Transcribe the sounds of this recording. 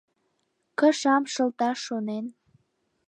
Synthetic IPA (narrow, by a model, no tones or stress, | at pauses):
kəʃɑmʃə̆lt̪ɑʃːonen